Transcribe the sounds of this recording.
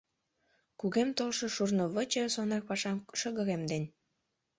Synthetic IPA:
kuɣemt̪olʃɤ̽ʃurnoβət͡ɕesonɑk̚pɑʃɑmʃəɣə̆ɣemd̪enʲ

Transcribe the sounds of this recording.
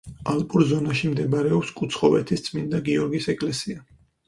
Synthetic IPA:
alpʼuɾzɔnaʃimd̪ɛbaɾɛɔpskʼut̪sʰχɔvɛt̪ʰist̪sʼmind̪aɡiɔɾɡisɛkʼlɛsia

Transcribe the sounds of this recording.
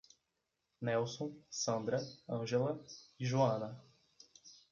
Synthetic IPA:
nɛwsõsɐ̃nd̪ɾɐɐ̃ʒelɐiʒuɐ̃nɐ

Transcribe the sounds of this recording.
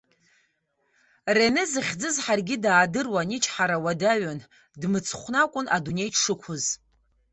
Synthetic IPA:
renɨzɨχʲd͡zɨzħarɡʲɪdaːdɨrwanit͡ʃʰħaɾawadaɥan | dmɨt͡sʰχʷnakʷʼʊnʔadune̞jʰʂɨkʷʰʊz

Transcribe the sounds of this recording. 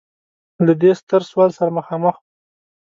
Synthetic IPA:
lad̪est̪əɾswɑlsaɾaməxɑməx

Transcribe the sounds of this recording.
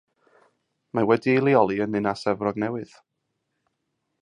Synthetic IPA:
mawɛdilˠiɔlˠiənɨnasɛvrɔɡnɛwɨð̥

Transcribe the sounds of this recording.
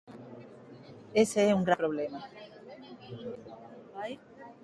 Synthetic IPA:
eseeuŋɡɾapɾoβlema | aj

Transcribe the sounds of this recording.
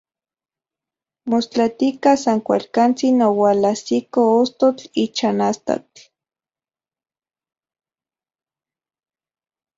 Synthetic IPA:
most͡ɬat̪ikasaŋkʷalkant͡sinowalasikoost̪ot͡ɬit͡ʃanast̪a̰t͡ɬ

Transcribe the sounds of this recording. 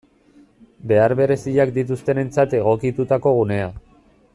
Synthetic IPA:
be̞aɾβe̞ɾe̞siʎak̚d̪it̪̬ust̪e̞ne̞nt͡sat̪e̞ɣ̞o̞kit̪ut̪ako̞ɣ̞une̞a

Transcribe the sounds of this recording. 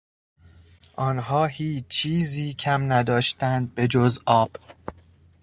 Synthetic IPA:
ʔɒːnɦɒːhiːt͡ʃt͡ʃʰiːziːcʰæmnæd̪ɒːʃt̪ænd̪̚be̞d͡ʒozɒːb̥

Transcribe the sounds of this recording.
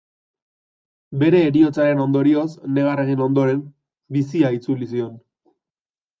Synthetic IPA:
be̞ɾe̞ːɾio̞t͡saɾe̞no̞nd̪o̞ɾio̞sne̞ɣ̞areɣino̞nd̪o̞ɾe̞m | bisiait͡sulisio̞n

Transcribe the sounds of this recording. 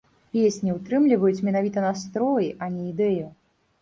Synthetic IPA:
pʲesʲnʲiwt̪ɾɨmlʲivɐjut͡sʲmʲɛnavʲit̪ɐnast̪ɾɔjiʔɐnʲɛid̪ɛju

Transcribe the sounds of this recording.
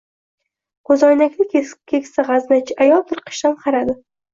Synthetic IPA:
qʰozɒjnakʲnɪkʲkʲʰekʲsɪʁɑznat͡ʃʰɪʔajɒlˠt̪ʰɪɾqʰɨ̥ʃt̪anqʰɑɾad̪ɪ

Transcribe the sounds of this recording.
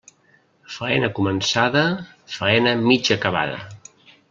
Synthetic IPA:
fəɛnəkumənsaðə | fəɛnəmid͡ʒəkəβa̰ðə̰

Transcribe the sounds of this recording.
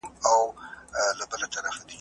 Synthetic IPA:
maw | labəlat̪aɾafad̪i

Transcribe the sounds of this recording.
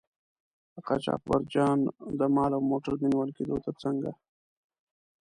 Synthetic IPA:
əqɑ̰t͡ʃɑ̰q̚baɾd͡ʒɑnd̪əmɑlawmoʈaɾminwalked̪ot̪at͡səŋɡa̰

